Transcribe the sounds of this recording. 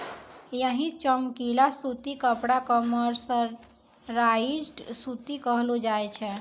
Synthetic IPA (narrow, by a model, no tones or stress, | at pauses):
jəɦĩt͡ʃəmkilasut̪ikəpɽakəməɾsə̃ | ɾaid͡ʒʈsut̪ikəɦlod͡ʒajt͡ʃʰɛ